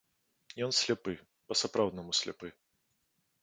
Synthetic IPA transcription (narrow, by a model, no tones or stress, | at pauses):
jɔnsʲlʲapɨ | pɐsapɾawd̪nɐmusʲlʲa̰pɨ